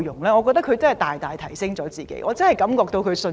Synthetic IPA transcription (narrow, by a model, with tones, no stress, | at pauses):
jʊ˨˩ŋlɛː˥ŋɔː˨˧kɔː˧k̚t̪ɐ˥kʰɵ˧t͡sɐ˥nhɐ˨˩jt̪aː˨jt̪aː˨˩jt̪ʰɐ˨˩jsɪ˥ŋt͡sɔː˨˥t͡siː˨kḛ˨˥jʔɔː˨˧t͡sɐ˥nhɐ˨jkɐ˨˥mkɔː˧k̚t̪o˧wkʰɵ˨˧ɥsɵ˧